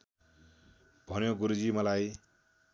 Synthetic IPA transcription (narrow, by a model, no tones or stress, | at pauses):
bʱʌnjoɡuɾud͡zimʌlaj